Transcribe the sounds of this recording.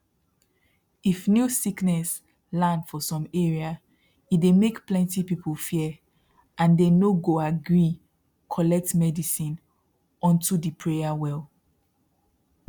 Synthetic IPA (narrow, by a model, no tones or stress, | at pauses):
ifnjusiknɛs | lãndfɔsɔ̃meɹia | itdemekplɛ̃ntipipʰulfi | ʔãndenoɡoaɡɹi | kʰɔlɛk̚tmɛdisĩn | ɔ̃ntudipʰɹejawɛlˠ